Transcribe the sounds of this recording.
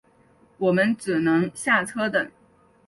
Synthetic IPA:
wɔ˨˩mə˦nʈ͡ʂɻ̩˨˩nɤ˧˥ŋɕja˥˩t͡sʰɤ˥t̪ə˨˩˦ŋ

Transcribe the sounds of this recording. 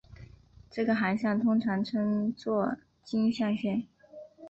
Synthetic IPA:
ʈ͡ʂɤ˥˩ɡə˩xa˧˥nɕjɑ˥˩ŋt̪ʰʊ˥ŋʈ͡ʂʰɑ˧˥ŋʈ͡ʂʰɤ˥ŋt͡swɔ˥˩ | t͡ɕi˥nɕjɑ˥˧ŋɕjɛ˥˩n

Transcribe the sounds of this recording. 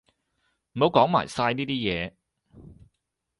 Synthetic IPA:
m̩˨˩mo˨wkɔː˨˥ŋma̰ː˨˩jsaː˧jniː˥t̪iː˥jɛː˨˧

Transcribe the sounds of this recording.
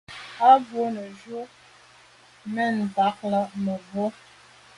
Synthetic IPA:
a˦bo˨˦nə˨d͡ʒo˦ | mɛ˦˨nba˨˦k̚lə˦mə˨bo˦

